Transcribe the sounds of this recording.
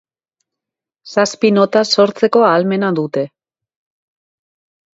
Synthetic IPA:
saspino̞t̪aso̞ɾt͡se̞ko̞aːlme̞naðut̪e̞

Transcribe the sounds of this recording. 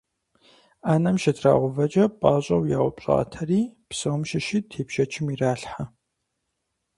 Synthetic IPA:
aːnɐmʃɐdʰra̰ːʁʷʊvɐt͡ʃʼɐpʼaːɕʼɐwjaːwʷʊpɕʼa̰ːtʰɐriːpsɨwʊmʃɪʃiːtʰeːpʃɐt͡ʃʰɪmiraːɬħa

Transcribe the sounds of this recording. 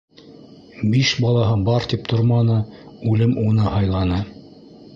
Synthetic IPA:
biʃbɑlˠɑɦɤbɑɾt̪ip̚t̪oɾmɑnɤʉlɘmunɤhɑjlˠɑnɤ

